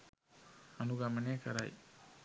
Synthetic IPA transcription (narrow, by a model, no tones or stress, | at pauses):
anuɡamaneakʰaɾa̰j